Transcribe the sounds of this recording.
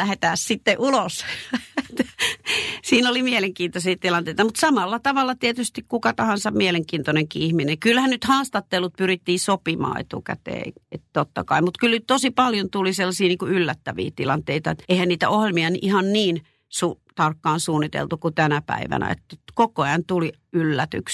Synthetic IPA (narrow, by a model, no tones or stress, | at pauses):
æhet̪æːssit̪ːeʔulos | t̪ | siːnolimieleŋkiːnt̪osiːt̪ilɑnt̪eit̪ɑmut̪sɑmɑlːɑt̪ɑʋɑlːɑt̪iet̪yst̪ikkukɑt̪ɑhɑnsɑmieleŋkiːnt̪oneŋkiːihmineŋkylhænnyt̪hɑːst̪ɑt̪ːelːut̪̚pyrit̪ːiːsopimɑ̰ːḛt̪ukæ̰t̪ḛːett̪ot̪ːɑ̰kɑimut̪kylnyt̪t̪osipɑljont̪uliselːɑsiːniːŋkuylːæt̪ːæʋḭːt̪ilɑnt̪eit̪ɑet̪eihænniːt̪æ̰ohjelmiɑniʔihɑnniːn | suːt̪ɑrkːɑːnsuːnːit̪ḛlt̪ukut̪ænæpæ̰iʋæ̰næ̰ḛt̪ːækokoɑnt̪uli | ylːæt̪y̰ks